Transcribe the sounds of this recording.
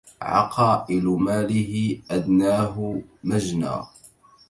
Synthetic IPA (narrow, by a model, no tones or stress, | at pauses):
ʕɑ̰qɑːʔɪlmaːlɪɦɪʔad̪naːɦʊmad͡ʒna̰ː